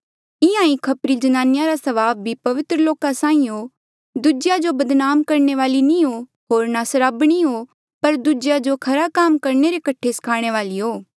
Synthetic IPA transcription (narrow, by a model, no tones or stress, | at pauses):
ɪ̃jãĩkʰɐpɾid͡ʒɐnaːnɪjaɾasɐʋaːbːʱipɐʋɪt̪ɾəloːkasãːĩõ | d̪ud͡ʒjad͡ʒobɐd̪naːmkɐɾɳeʋaːliniɦo | ɦoːɾnasɐɾaːbɽ̃iɦo | pɐɾd̪ud͡ʒjad͡ʒokʰɐɾakaːmkɐɾɳeɾekɐʈʰesɐ̥kʰaːɽ̃eʋaːliɦoː